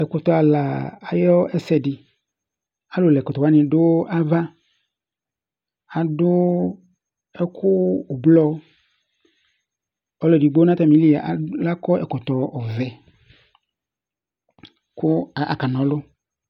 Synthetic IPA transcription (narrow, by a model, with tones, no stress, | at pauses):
ɛ˨kʊ˨t̪ɔ˨a˨la˨a˨jɔ˦ɛ˦sɛ˨dɪ˨ | a˦lʊ˨lɛ˨kɔ˨t̪ɔ˨wa˦nɪ̃˨ɖʊ˦a˦va˦ | a˨dʊ˦ | ɛ˦kʰʊː˦˨blɔ˦ | ɔ˦lɔ˨di˨ɡ͡bo˦nã˦t̪a˦˨mĩ˨˦li˦a˨ʔa˨la˦kɔ˦ɛ˨kɔ˨t̪ɔ˨ɔ˨vɛ˨ | kʊ˦˨a̰˨ka˨nɔ̃˨lʊ˦